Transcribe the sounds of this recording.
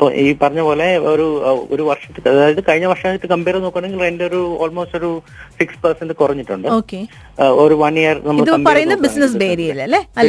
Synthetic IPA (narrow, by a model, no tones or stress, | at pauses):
ɐpːoʔiːpɐrɐɲːɐpo̞ːleoɾuoɾuʋɐrʂɐt̪ːɨɐðaːjɐðɨkɐɻiɲːɐʋɐrʂaːit̪ːɨkɐmbeːɾɐnoːkːaɳ̃eŋɡilrenɖeoɾuoːlmoːsʈo̞ɾu | fikspɐrsɐnʈ̪ɨkurɐɲːiʈːuɳɖɨoːkːe | oɾuʋɐnjɐrnɐmːiɐɭðɐɐmpɐrɐjunːɐbisnɐs̬beːɾijilːɐlːeɐlː